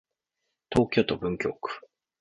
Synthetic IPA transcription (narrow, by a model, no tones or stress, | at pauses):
t̪o̞ːkʲo̞ːt̪o̞bɯ̟̃ŋkʲo̞̰ːkɯ̥